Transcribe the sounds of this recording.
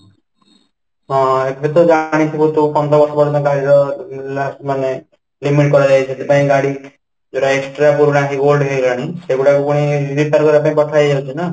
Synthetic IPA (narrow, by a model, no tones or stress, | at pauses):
ɦɔ̃epet̪ɔd͡ʒaɽ̃it̪ʰibut̪upɔnd̪ɾɔbɔɾsɔbɔɽit̪ɔkaɾiɾɔlasmane | limiʈ̚kɔɾɔd͡ʒajʰiet̪ʰipaĩɡaɽi | d͡ʒoɽaeksʈɾapuɾuɽ̃akiɡolɖɦelaɽ̃iseɡuɽakupuɽ̃ibit̪aɾkɔɾapãĩpɔʈʰajd͡ʒalt͡ʃʰina